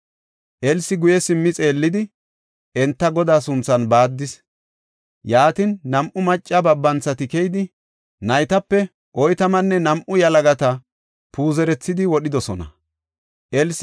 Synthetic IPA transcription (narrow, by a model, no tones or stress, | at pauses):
ʔɛlsɪɡʊjɛsɪmːɪt͡sʼe̞ːlːɪd̪ɪ | ɛnt̪ːɐɡɔd̪aːsʊnt͡sːɐnbaːd̪ːɪs | jaːt̪ɪnːɐmʔʊmɐt͡ʃʼːɐbɐbːɐnt͡sːɐt̪ɪkɛjd̪ɪ | nɐjt̪ɐpːɛ | ʔɔjt̪ɐmɐnːɛnɐmʔʊjɐlɐɡɐt̪ɐ | puːzɛɾɛt͡sːɪd̪ɪwɔɗɪd̪ɔsɔnɐ̰ | ʔɛls